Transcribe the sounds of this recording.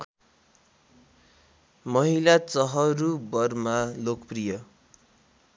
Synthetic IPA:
mʌɦilat͡sʌɦʌɾubʌrmalokʌprijʌ

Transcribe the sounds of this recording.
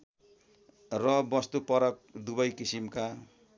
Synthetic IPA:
rʌbʌst̪upʌɾʌk̚d̪uβʌjkisimka

